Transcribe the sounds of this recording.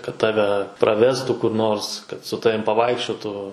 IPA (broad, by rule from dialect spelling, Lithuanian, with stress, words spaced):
kɐt ˈtɑːʋʲɛ ˈprɑːʋʲɛstʊ kʊr ˈnoːrs kɐt sʊ ˈtɑːʋʲɪm pɐˈʋɐɪkʃʲt͡ʃʲoːtuː